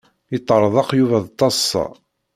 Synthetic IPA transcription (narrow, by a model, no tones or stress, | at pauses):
it̪ˤːəɾˤðˤɑqjuvæðˤt̪ˤːɑsˤːɑ̰